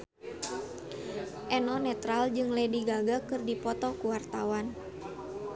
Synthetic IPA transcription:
ʔɛnɔnɛt̪ɾald͡ʒɨŋlɛdiɡaɡakɨrdipɔt̪ɔkuwart̪awan

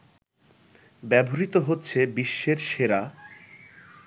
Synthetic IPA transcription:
bɛbʱoɾit̪oɦotːɕʰebiʃːeɾʃeɾa

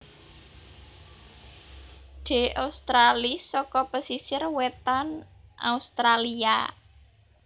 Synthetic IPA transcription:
ɖ̪̥e̤ʔaust̪ɾalisɔkɔpəsisɪrwet̪anʔa̰ust̪ɾalia̰

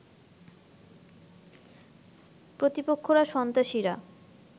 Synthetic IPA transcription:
pɾot̪ipokʰːoɾaʃɔnt̪aʃiɾa

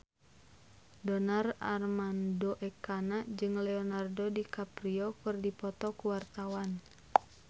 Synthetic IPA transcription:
dɔnara̰rmandoʔɛkanaʔd͡ʒɨŋlɛɔnardodikapɾiɔkɨrdipɔt̪ɔkuwart̪awan

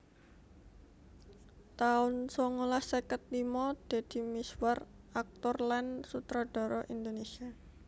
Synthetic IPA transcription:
t̪aʊnsɔŋolahsəkət̪̚limɔd̪̥e̤d̪̥i̤miswar | ak̚t̪ɔrlansut̪ɾaɖ̥ɔ̤ɾɔʔind̪onesia

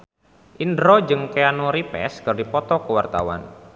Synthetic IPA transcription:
ʔindɾɔd͡ʒɨŋkeanoɾipɛ̰skɨrdipɔt̪ɔkəwart̪a̰wa̰n

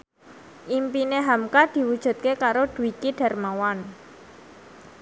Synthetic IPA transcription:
ʔimpineɦamkad̪̥i̤wud̥ʒ̥ṳt̪̚kekaɾoɖ̥ṳwikiɖ̥a̤rmawan

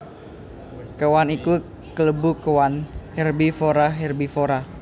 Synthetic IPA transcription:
kəwaniku | kələbukəwanhɛrbifoɾaɦɛrbifoɾa

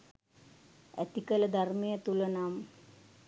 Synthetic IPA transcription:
æ̰t̪ikələd̪ʱarmejət̪ulənam

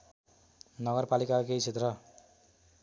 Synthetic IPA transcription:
nʌɡʌrpalikakejt͡sʰet̪rʌ

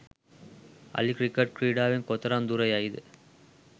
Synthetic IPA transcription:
ɐ̰likɾɪkːɐʈ̚kɾiːɽaːʋɪnkɔt̪ːɐɾamd̪uːɾɐjaːjðɯ̰

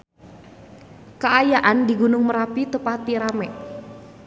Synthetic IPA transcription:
kəajaʔandiɡunʊŋməɾapit̪əpat̪iɾamɛ

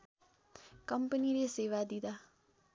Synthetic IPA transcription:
kɐmpəniɾeseːʋad̪id̪a

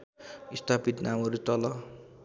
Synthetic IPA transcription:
ist̪ʰapit̪namʌɾut̪ʌlʌ

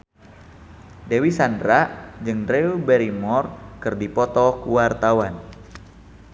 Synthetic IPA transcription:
dewisandɾaʔd͡ʒɨŋrɛubɛɾimɔrkɨrdipɔt̪ɔkuwart̪awan

